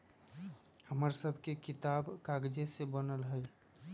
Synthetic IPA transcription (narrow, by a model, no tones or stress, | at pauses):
həməɾsəbʱkekit̪aːbkaɡd͡ʒesebənəlɦəj